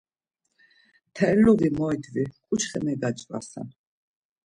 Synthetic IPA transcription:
t̪ʰɛɾluvimɔɛd̪vikʼut͡ʃʰχɛmɛɡat͡ʃʼvʼa̰sa̰n

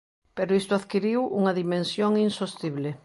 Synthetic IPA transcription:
peɾoist̪ʊaðkiɾiwuŋɐðimẽnsjoŋinsost̪iβle

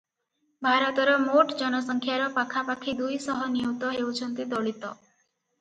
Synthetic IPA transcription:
bʱaɾɔt̪ɔɾɔmoʈd͡ʒɔnɔsɔŋkʰjaɾɔpakʰapakʰid̪ujsɔɦɔnijot̪ɔɦeuwt͡ʃʰɔnt̪id̪ɔɭit̪ɔ

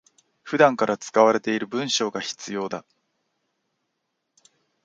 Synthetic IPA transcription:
ɸɯ̟d̪ãŋkaɾat͡sɨ̥kaβaɾe̞t̪e̞iɾɯ̟bɯ̟̃ɰ̃ɕo̞ːɡaçi̥t͡sɨjo̞ːd̪a

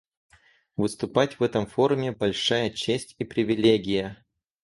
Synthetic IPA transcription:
vɨst̪ʊpatʲvɛt̪əmfo̞ɾʊmʲɪbɐlʲʂajət͡ɕesʲtʲipɾʲɪvʲɪlʲeɡʲɪjə

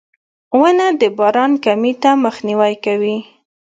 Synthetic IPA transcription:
wənad̪əbɑɾɑnkamit̪aməxniwajkawi

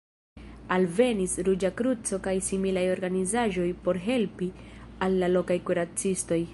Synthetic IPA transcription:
alve̞nisɾud͡ʒakɾut͡so̞kajsimilajo̞ɾɡanizaʒo̞jpo̞ɾɦe̞lpialːalo̞kajkuɾat͡sisto̞j

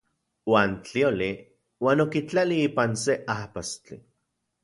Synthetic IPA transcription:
waːnt͡ɬioli | waːnokit͡ɬaliiːpanseʔahpast͡ɬḭ

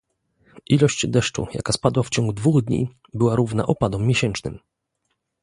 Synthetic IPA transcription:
ʔilɔɕt͡ɕd̪ɛʂt͡ʂṵja̰kaspad̪waft͡ɕɔŋɡud̪vuɣd̪ɲḭ | bɘwaɾuvna̰ʔɔpad̪ɔmʲːjɛɕɛnt͡ʂnɘm

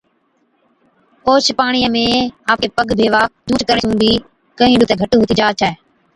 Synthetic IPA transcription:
koːt͡ʃʰpaːɳ̃iːəmẽːaːpkeːpəɡbʱeːʋaːd͡ʒ̪ũːt͡ʃkəɾɳ̃eũːd̪iː | kəɦĩːɗuːt̪eːɡʱəʈuːɦoːt̪iːd͡ʒaːt͡ʃʰɛː

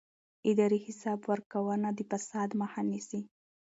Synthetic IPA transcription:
ɪd̪ɑɾihɪsɑbwəɾkawənad̪əfasɑd̪mahɑnisi

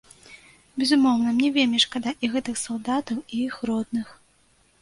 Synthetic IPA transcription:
bʲɛzumɔwnɐmnʲɛvʲelʲmʲiʂkad̪aʔiɣɛt̪ɨxsalˠd̪at̪ɐwiixɾɔd̪̚nɨx

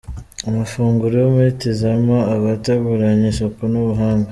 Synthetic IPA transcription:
amafuːŋɡuɾejomietizamoaβataɡuɾaɲesokonuβuɦaːŋɡa

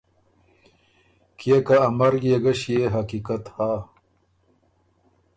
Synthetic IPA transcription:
kekaːmɐɾɡjeɡɐɕjeɦɐkikat̪haː

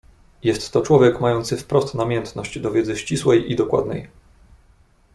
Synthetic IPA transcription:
jɛst̪ːɔt͡ʂwɔvʲjɛkmajɔnt̪sɘfpɾɔst̪namʲjɛnt̪nɔɕd͡ʑd̪ɔvʲjɛd̪zɘɕt͡ɕiswɛjʔid̪ɔkwa̰d̪nɛ̰j

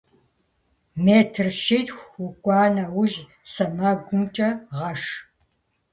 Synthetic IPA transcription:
meːtʰɨrʃiːtxʷʊkʷʼɑːnɐwʊʒ | sɐmɐɡʷʊmt͡ʃʼɐʁɐʂ

